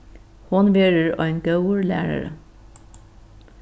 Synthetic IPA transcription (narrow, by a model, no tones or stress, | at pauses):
hʊnʋeːɹəɹo̰ːeːnɡəʊəɹlæ̰ːɹə̰ɹə̰